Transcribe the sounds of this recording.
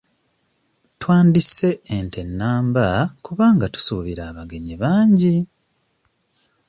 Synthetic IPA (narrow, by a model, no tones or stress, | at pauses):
twaːndise̞entʰe̞nːaːmbakuβaːŋɡatu̥suːβiɾaːβaɡe̞ɲiβaːɲɟi